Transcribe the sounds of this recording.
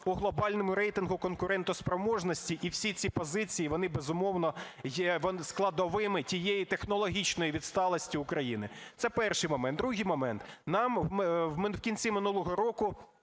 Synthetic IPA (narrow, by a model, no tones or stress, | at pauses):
ʊɦlˠɔbɑlʲnɔmʊɾɛjt̪ɪnɦʊkɔnkʊɾɛnt̪ɔspɾɔmɔʒnɔsʲtʲiʔiwsʲit͡sʲipɔzɪt͡sʲijiʋɔnɪbezʊmɔwnɔjɛʋɔnsklˠɐd̪ɔʋɪmɪtʲijejit̪exnɔlˠɔɦʲit͡ʃnɔjiʋʲid̪st̪ɑlˠɔsʲtʲiʊkɾɐjinɪt̪sɛpɛrʃɪjmɔmɛnt̪d̪ɾuɦɪjmɔmɛnt̪nɑmwmɪwkʲinʲt͡sʲimɪnulˠɔɦɔɾɔkʊ